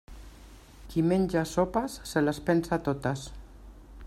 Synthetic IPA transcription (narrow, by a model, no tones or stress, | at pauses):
kimeɲʲd͡ʒasopasːelaspensat̪ot̪as